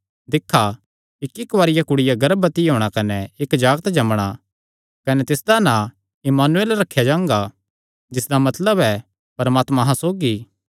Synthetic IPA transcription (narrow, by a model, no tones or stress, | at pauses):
d̪ɪkʰːa | ɪkːɪkʋaːɾɪjakʊɽɪjaɡɐɾbət̪iɦoːɽ̃akɐnɛɪkd͡ʒaːɡt̪d͡ʒɐmɽ̃a | kɐnɛt̪ɪsd̪anã | ɪmaːnueːlɾɐkʰːjad͡ʒãːŋɡa | d͡ʒɪsd̪amɐt̪ləbɛ | pɐɾmaːt̪mãɦãsoːɡi